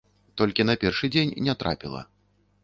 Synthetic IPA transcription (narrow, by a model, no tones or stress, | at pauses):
t̪ɔlʲkʲinɐpʲɛrʂɨd͡zʲenʲnʲɛt̪ɾa̰pʲilˠɐ̰